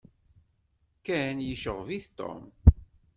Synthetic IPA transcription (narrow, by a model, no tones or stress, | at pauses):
kænjəʃəʁviθt̪ːo̰m